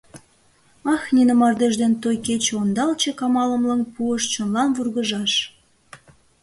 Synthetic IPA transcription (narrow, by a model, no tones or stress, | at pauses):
ɑxninəmɑrd̪eʒd̪ent̪ojket͡ɕond̪ɑlt͡ɕekɑmɑlə̆mlənpuəʃt͡ɕonlɑnβurɣəʒɑʃ